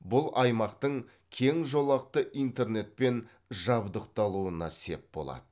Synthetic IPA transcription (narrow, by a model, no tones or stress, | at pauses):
bʊlˠʔɑjmɑqt̪əɴ | kʲʰe̞ŋʒo̞lˠɑq̚t̪əʔijnt̪e̞rne̞t̪̚pe̞n | ʒɑbd̪əqt̪ɑlˠuənɑse̞p̚bo̞̰lˠɑ̰d̪ə